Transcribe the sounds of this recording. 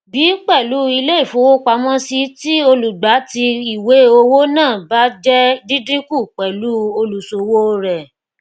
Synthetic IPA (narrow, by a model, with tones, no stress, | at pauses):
bi˨˦k͡pɛ˦˨lu˨˦i˧le˦i˦˨fo˨˦wo˦k͡pa˧˦mɔ̃˦si˧ti˦o˧lu˨ɡ͡ba˨˦ti˧i˨we˨˦o˧wo˦nãː˦˨ba˦d͡ʒɛ˦dĩ˦dɾĩ˦ku˦˨k͡pɛ˨lu˦o˧lu˨so˨wo˦ɾɛ˨